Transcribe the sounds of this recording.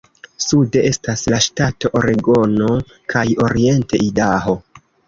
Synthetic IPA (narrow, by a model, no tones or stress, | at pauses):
sude̞ʔe̞staslaʃtatoʔoɾeɡo̞no̞ | kʰajo̞ɾie̞nte̞ʔidaɦo̞